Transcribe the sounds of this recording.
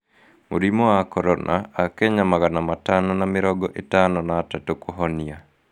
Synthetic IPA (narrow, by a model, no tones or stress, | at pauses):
mo̰ɾimɔakɔɾɔnʔa̰akɛɲamaɣanamatanɔnamɪɾɔɡɔʔetanɔnatatokoɦɔnia